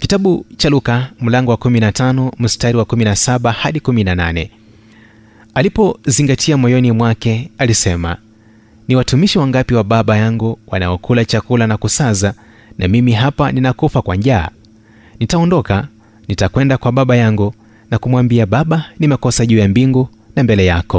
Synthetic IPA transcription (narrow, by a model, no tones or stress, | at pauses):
kitaɓut͡ʃalukam̩laŋɡɔwakuminatanɔm̩staɾiwakuminasaɓahaɗikuminananɛ̰ | alipɔziŋɡatʰiamɔjɔnimwakɛalisɛma̰ | niwatumiʃiwaŋɡapiwaɓaɓajaŋɡuwanaɔkʰulat͡ʃakulanakusaza | nʔamimiɦapaninakufakwaɲʄa̰ː | nitaɔndɔka | nitakwɛndakwaɓaɓajaŋɡu | nakumwambiaɓaɓanimɛkɔsaʄuːjambiŋɡu | nambɛlɛjakɔ